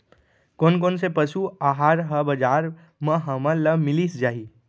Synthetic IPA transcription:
koːnk̬oːnsepəʃuaːɦaːɾɦəbɐd͡ʒaːɾ | mə̃ɦɐmələmɪlisd͡ʒaːɦi

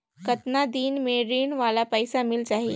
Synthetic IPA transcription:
kɐt̪nad̪iːnmẽɾiːɳʋaːlapəɪsamɪlt͡ʃaːɦe

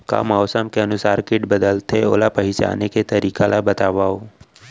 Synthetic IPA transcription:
ka̰ːmaʊsamkeənʊsaːɾkɪʈbəd̪əlt̪ʰeo̰ːlapəɦɪt͡ʃa̰ːneket̪əɾiːkalabət̪aːʋao

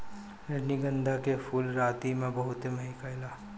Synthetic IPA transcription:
ɾɐɾniɡə̃nd̪ʱakefuːlɾaːt̪imẽbɐɦʊt̪emɐɦikaɪlaː

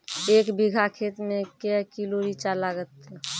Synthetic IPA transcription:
ekbiɡʱakʰet̪mẽkɛkiloɾit͡ʃalaɡət̪

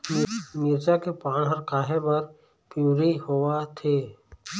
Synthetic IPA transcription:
miɾt͡ʃakepãːnɦɐɾkaːɦebɐɾ | pjuːɾihowat̪ʰeː

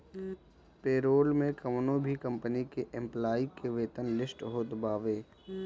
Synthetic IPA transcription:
peːɾoːlmẽkɐmnõbʱikɐ̃mpənikeʔɪ̃mplaːikeʋeːt̪ənlɪsʈɦod̪baːʋeː

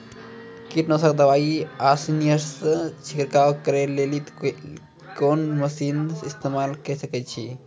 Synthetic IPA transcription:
kiʈnɔsakd̪əʋaːiasinijəɾst͡ʃʰikɾkawkəɾelelit̪ | koːnməsiːnɪst̪emaːlkəsəkɛt̪t͡ʃʰi

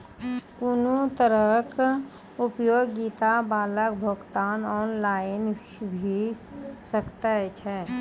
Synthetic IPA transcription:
kʊnut̪əɾək | ʊpjoːɡːiːt̪abaːlək̚bʱoɡt̪aːnɔːnlaːjənbʱisəkt̪aɦɛt͡ʃʰɛː

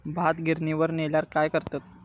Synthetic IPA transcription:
bʱat̪ɡʱiɾniʋəɾneljaɾkajkəɾt̪at̪̚

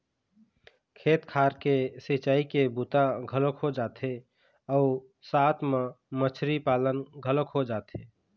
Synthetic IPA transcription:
kʰeːt̪kʰaːɾkesɪt͡ʃaːikebut̪aɡʱələkɦod͡ʒaːt̪e | ɔː | saːt̪ʰmã | mət͡ʃʰɾipaːlənɡʱələkɦod͡ʒaːt̪e

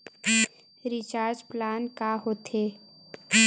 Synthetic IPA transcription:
ɾɪt͡ʃaːɾd͡ʒplaːnkaɦot̪eː

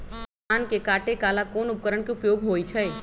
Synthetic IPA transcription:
aːnkekaːʈekaːlakoːnʊp̚kəɾəɽ̃keʊpjoːɡɦoːit͡ʃʰəe

